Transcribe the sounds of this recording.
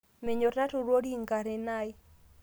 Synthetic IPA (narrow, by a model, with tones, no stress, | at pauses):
mɛ˨ɲo˨tna˦tu˨ɾwo˦di˦ŋɡa˨ɾɪ˨na˦j